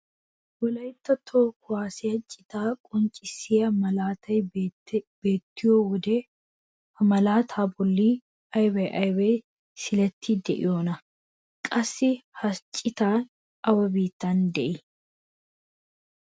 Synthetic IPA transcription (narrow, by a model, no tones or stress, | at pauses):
wɔlɐjt̪ːɐt̪ʰːoːkːʊaːsɛɐt͡ʃʼːɪt̪aːkʼʊnt͡ʃʼːɪsɪjɐmɐlaːt̪ʰɐjbb̥e̞ːt̪ːɪjoːwɔd̪e | ɐmɐlaːt̪ʰaːbɔlːiː | ɐjwɐjʔɐjwɐj | sɪlɛt̪ʰːɪd̪ɛʔɪ̰joːnɐ | kʼɐsːɪhɐt͡ʃʼːɪt̪aːn | ɐwɐbiːt̪ːand̪ɛʔɪ